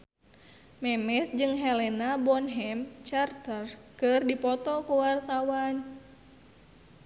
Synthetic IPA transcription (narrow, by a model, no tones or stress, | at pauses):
mɛmɛsd͡ʒɨŋɦɛlɛnabɔnɦɛmt͡ʃart̪ərkɨrdipɔt̪ɔkuwart̪awan